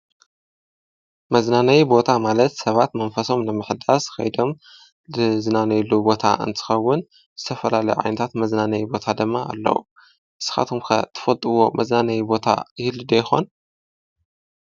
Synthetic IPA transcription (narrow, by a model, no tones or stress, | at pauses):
mɐznanɐjibo̞t̪ʰamalɐt̪sɐβat̪mɐnfɐso̞mnɨmɨħd̪asxɐ̰jd̪o̞m | ɨznanɐjlːubo̞t̪ʰa̰ʔɨ̰nt̪ʰɨ̥xɐwːʊn | zɨt̪ʰɐfɐlalɐjuʕa̰jnɐt̪ʰat̪mɐznanɐjibo̞t̪ʰad̪ɨmːa̰ːlːɐ̰wṵ | ʔɨsɨ̥xa̰t̪ʰomkʰɐ̰t̪ʰɨ̥fɐlt̪ʼɨwo̞mɐznanɐjibo̞t̪ʰa̰jɪhlɨd̪ɐjɪxo̞̰n